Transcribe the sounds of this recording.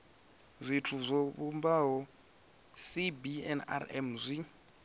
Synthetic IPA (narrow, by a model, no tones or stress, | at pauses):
zʷitʰuzʷɔβumbaɦɔ | sibiɛ̰na̰ɾɛ̰mzʷi